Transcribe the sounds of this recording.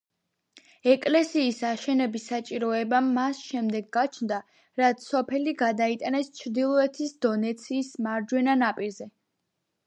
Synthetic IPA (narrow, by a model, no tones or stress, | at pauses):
ɛkʼlɛsiːsaʃɛnɛbisat͡ʃʼiɾɔɛbamːasʃɛmd̪ɛɡːat͡ʃʰnd̪a | ɾat̪ssɔpʰɛliɡad̪ait̪ʼanɛst͡ʃʰɾd̪ilˠɔɛt̪ʰisd̪ɔnɛt̪sʰiːsmaɾd͡ʒwɛnanapʼiɾzɛ